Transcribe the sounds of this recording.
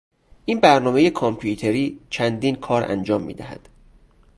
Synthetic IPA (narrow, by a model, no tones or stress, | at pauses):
ʔiːnbæɾnɒːme̞jekʰɒmpʰjut̪ʰeɾiːt͡ʃʰænd̪iːnkʰɒːɾʔæ̰nd͡ʒɒːmːḭːd̪æhæ̰d̪̥